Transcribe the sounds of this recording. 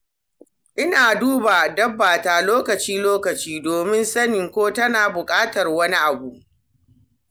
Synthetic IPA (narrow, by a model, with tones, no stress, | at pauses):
ʔɪ˦naː˨duː˦baː˨dɐ˦bːaː˨taː˨loː˦kɐ˨t͡ʃiː˦loː˦kɐ˨t͡ʃiː˦doː˨mɪ˦nsɐ˦nɪ˨ŋkʷoː˦tɐ˦naː˨bʊ˨kʼaː˦tɐ˨rwɐ˦ni˦ʔa˨bu˨ʔ